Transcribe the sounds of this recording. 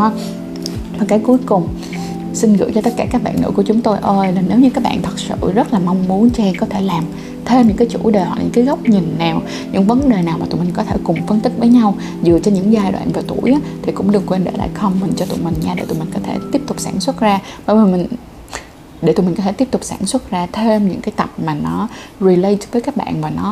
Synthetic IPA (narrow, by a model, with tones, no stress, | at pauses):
ma˨˩kaː˨˦jku˨˦jkʊ˨˩ŋ͡m | si˧nɣɨ̰˧˥ət͡ɕɔ˧t̪ə˦˥kaː˧˩kaː˦˥k̚ɓa̰˧˨nŋɨ̰˧˥ku˧˩ət͡ɕʊ˨˦ŋ͡mt̪o˧jʔəː˧laː˨˩ne˨˦wɲɨ̰˧˥kaː˦˥k̚ɓa̰ː˧˨nt̪ʰə˨˩t̚sɨ̰˧˨zə˦˥t̚laː˨˩mɔ˧wŋ͡mmu˨˦ənt͡ɕɛ˧kɔ˨˦t̪ʰe˧˩laː˨˩m | t̪ʰe˧mɲɨ̰˧˥ŋkaː˨˦jt͡ɕṵ˧˩ɗeː˨˩ha̰˨ɲɨ̰˧˥kːaː˨˦jɣə˦˥wk͡p̚ɲi˨˩nnaː˨˩w | ɲɨ̰˧˥ŋvə˨˦nɗe˨˩naː˨˩wma˨t̪mi˨˩ŋ̟kɔ˨˦t̪ʰe˧˩kʊ˨˩ŋ͡mfə˧nt̪ï˦˥k̚vəː˨˦jɲa˧w | zɨ˨˩ət͡ɕɔ˧ɲɨ̰˧˥ŋzaː˧jɗwa̰ː˧˨nvaː˨˩wt̪ṵ˧˩əjʔaː˨˦t̪ʰi˨˩kʊ̰˧˥ŋ͡mɗɨ˨˩ŋkwe˧nɗḛ˧˩la̰ː˧˨jxə˧wŋ͡mmï˨˩ŋ̟t͡ɕɔ˧t̪ṵ˧˨jmï˨˩ŋ̟ɲaː˧ɗḛ˧˩t̪ṵ˨˩jmi˨˩ŋkɔ˨˦t̪ʰe˧˩t̪i˦˥əp̚t̪ʊ˨˩k͡p̚sa̰ː˧˩nswə˦˥t̚zaː˧ɓə˧˩vəː˨˩mï˨˩ŋ̟ | ɗe˧˩t̪u˨˩mï̟˨˩kɔ˨˦t̪ʰe˧˩t̪i˦˥p̚t̪k͡p̚saː˧˩nswə˦˥t̚zaː˧t̪ʰe˧mɲɨ̰˧˥ŋkaː˨˦jt̪ə˨˩p̚maː˨˩nɔ˨˦zi˨˧lə˧jvəː˨˦jkaː˦˥k̚ɓa̰ː˧˨nvaː˨˩nɔ˨˦